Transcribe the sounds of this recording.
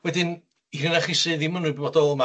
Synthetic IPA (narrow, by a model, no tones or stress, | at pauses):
wɛdɨn | irənaχisɨːðimənʊbɔdɔlˠma